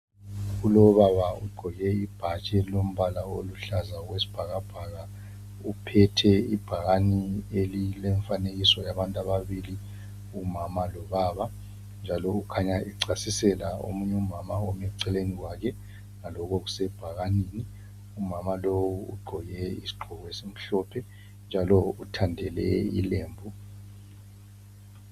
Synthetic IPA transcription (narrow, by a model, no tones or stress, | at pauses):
ɣulɔβaβauɡ͡ǃʱɔɣɛib̥ʱat͡ʃʼɛlom̩βalaoluɬazaɣwesi̥b̥ʱaɣab̥ʱaɣa | upʰɛtʰɛib̥ʱaɣanielilɛɱfaneɣisɔjaβantʼaβaβili | umamalɔβaːβa | nd͡ʒʱalɔukʰaɲaiǀasisɛlao̰muɲɛumamaɔmɛǀɛleniwakʰɛ | ŋalɔk̬ɔɣusɛb̥ʱaɣaniːni | umamalowwuṵɡ͡ǃʱɔɣɛḭsi̥ɡ͡ǃʱɔɣɛsem̩ɬɔpʰɛ | nd͡ʒʱalɔutʰandʱɛlɛ̰ḭleːmbʱu